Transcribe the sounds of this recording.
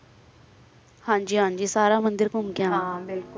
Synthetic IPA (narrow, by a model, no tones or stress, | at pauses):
hãːɲd͡ʒiːɦãːɲd͡ʒiːsaːɾaːmənd̪əɾkʊmɡɪjãːɪl